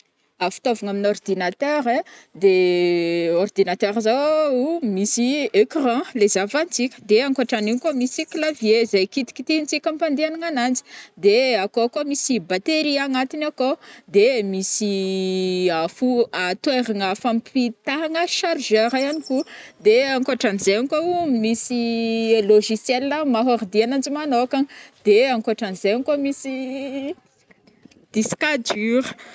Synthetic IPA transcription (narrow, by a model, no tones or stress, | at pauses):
afi̥t̪ovaŋaminord̪inat̪ɛɾed̪e | ord̪inat̪ɛɾza | misiekrãlezavanit͡sikʲə̥d̪eaŋkoʈ͡ʂaninkomisiklavjezajkit̪i̥kʲi̥t̪init͡sikʲampand̪eanaŋanand͡zi̥d̪eakokomisibat̪eɾiaŋat̪inakod̪emisi | afuat̪weɾaŋafampit̪aŋəʃaɾʒaɾaanikud̪eaŋkoaʈ͡ʂanizeaŋkoumisiloʒisjɛləmaɦaɾd̪ianand͡ʒimanokand̪̥eaŋkoaʈ͡ʂanzeaŋkomisi | d̪̥iskad͡ʒyɾə